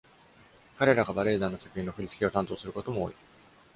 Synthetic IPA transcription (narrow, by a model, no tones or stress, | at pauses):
kaɾe̞ɾaɡabaɾe̞ːd̪anosḁkɯ̟çĩnːo̞ɸɯɾʲit͡sɨ̥kʲio̞t̪ãnt̪oːsɨɾɯ̟ko̞t̪o̞mo̰ːi